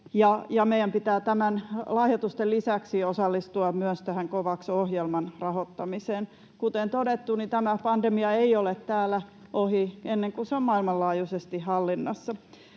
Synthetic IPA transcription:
jɑjɑmejˑæmpit̪æːt̪æmænlɑhjot̪ust̪ellisæksiosɑlːist̪uɑmyøst̪æhæŋkoʋɑksohjelmɑnrɑhot̪ːɑmiseːn | kut̪ent̪odet̪ːunit̪æmæpɑndemiɑeiolet̪t̪æːlæʔohienːeŋkuseommɑilmɑllɑːjusest̪ihɑlːinːɑsːɑ

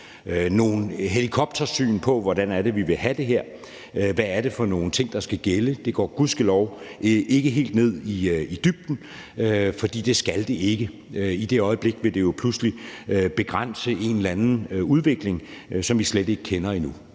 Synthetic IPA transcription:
øno̝ːn̩ɦelikʰɒ̽b̥̚d̥ʰɐsy̰ːnpʰɒ̽ʋɒdænæɐɾ̥e̝ʋiʋe̝hæd̥e̝ɦeɐ̰ | ʋæːɐɾ̥e̝fɒ̽no̝ːn̩t͡sʰe̝ŋ̰d̥ɑ̈sɡ̥æɡ̥eləd̥e̝ɡ̥ɒ̰ːɡ̥uðˠsɡ̥elɒʊe̝ɡ̥əɦe̝̰ːld̥ne̝ð̞̰ˠiid̥yb̥̚d̥n̩ | øfɒ̽d̥ḭːd̥e̝sɡ̥æld̥e̝e̝ɡ̥ə | id̥e̝ɒ̽ɪəb̥le̝ɡ̥ʋe̝d̥e̝jo̝pʰlusliøb̥e̝ɡ̥ʁan̰səe̝nlænn̩uð̞ˠʋe̝ɡ̥le̝ŋsɒ̽mʋisled̥e̝ɡ̥əkʰenɐinu

